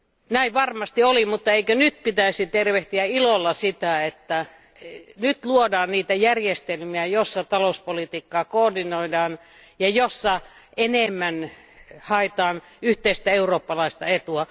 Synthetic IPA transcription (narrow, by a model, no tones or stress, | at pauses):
næiʋʋɑrmɑst̪iolimut̪ːɑeikønyt̪̚pit̪æisit̪erʋeht̪iæilolːɑsit̪æet̪ːæ | nyt̪luodɑːnniːt̪æjærjest̪elmiæjosːɑt̪ɑlouspolit̪iːkːɑːkoːrdinoidɑːn | jɑjosːɑenemːæn | hɑet̪ɑːn | yht̪eist̪æeuroːpːɑlɑist̪ɑ̰et̪uɑ